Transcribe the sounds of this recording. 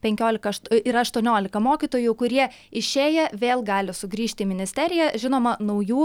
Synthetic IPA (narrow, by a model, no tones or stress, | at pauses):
pʲɛŋʲkʲoːlʲɪkɐʃt̪ɪɾɐɐʃt̪uɔnʲoːlʲɪkɐmoːkʲit̪oːjʊkʊɾʲiɛ | ɪʃʲeːjɛʋʲeːlˠɡɑːlʲɪsʊɡɾʲiːʃʲt̪ʲɪmʲɪnʲɪsʲt̪ʲæɾʲɪjɛʒʲɪnoːmɐnɐʊjuː